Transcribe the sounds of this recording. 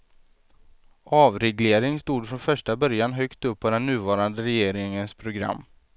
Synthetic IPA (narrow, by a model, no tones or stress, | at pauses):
ʔɑːvɾɛɡleːɾɪŋst̪uːd̪fɾɔnfœʂʈabœɾjanɦœkt̪ɵpʰːɔd̪ɛnːʉ̟ːvɑːɾand̪əɾɛjeːɾɪŋənspʰɾʊɡɾa̰mː